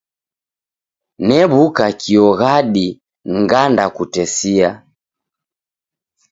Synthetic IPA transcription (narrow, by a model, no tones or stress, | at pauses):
nɛβukakʰiɔɣaɗi | ŋɡandakutɛsia